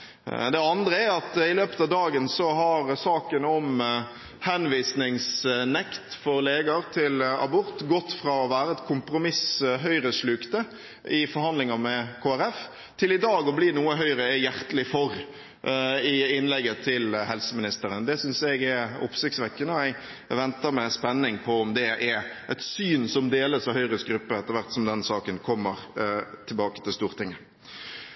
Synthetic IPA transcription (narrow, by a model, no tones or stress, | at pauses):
d̪ɛɑnd̪ɾəæɾɑt̪ɪløːpə̥t̪ɑʋd̪ɑːɡənsɔɦɑɾsɑːkənɔm | hɛnʋiːsnɪŋsnɛkt̪fɔɾleːɡɑɾt̪ʰɪlɑ̰bʊɾt̪ɡɔt̪ːfɾɑɔʋæːɾəɛt̪kʰʊmpɾʊmɪsɦœʏɾəsɭʉkt̪ə | ɪfɔɾhɑnd̪lɪŋɑmɛkʰoːæɾɛf | t̪ʰɪlɪd̪ɑːɡɔbliːnuːəɦœʏɾəjæɾt̪əlɪfɔɾ | ɪɪnlɛɡːət̪ʰɪlhɛlsəmɪnɪst̪əɾənd̪ɛsʏnsɛɡɛɾʊ̰psɪktsʋɛkːənəɛɪ | ʋɛnt̪əɾmɛspɛnːɪŋpʰɔɔmd̪ɛʔæɾʔɛt̪syːnsɔmd̪eːləsɑʋhœʏɾəsɡɾʉpːəɛt̪ːəɾʋæɾt̪sɔmd̪ɛnsɑːkənkʰɔmːəɾt̪ʰɪlbɑːkə̥t̪ʰɪlst̪uːɾt̪ʰɪŋːə